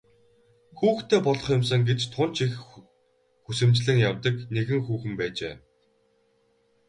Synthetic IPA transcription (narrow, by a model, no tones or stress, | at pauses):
xuːxt̪ʰeːpɔɮɞ̥̆χjʊms̬ə̆ŋɡet͡ɕt̪ʰʊn̥t͡ɕix | xusɘ̆mt͡ɕɮɘ̆ŋjawt̪ə̆kneɣɘ̆ŋxuːxɘ̆mpæːt͡ɕḛː